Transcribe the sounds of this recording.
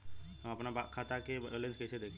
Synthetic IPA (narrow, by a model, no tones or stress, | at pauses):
ɦəmɐpnabakʰaːt̪akeelə̃nskɛsed̪eːkʰ